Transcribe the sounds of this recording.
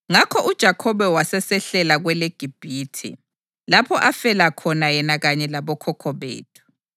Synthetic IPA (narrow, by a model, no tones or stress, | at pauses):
ŋakʰɔʔud̥ʒ̥ʱakʰɔβɛwasɛsɛɬɛlaɣwɛleɡ̥ʱib̥ʱiːtʰḭ | lapʰɔʔafɛlakʰɔnajɛnaɣaɲɛlaβɔkʰɔkʰɔβḛːtʰu̥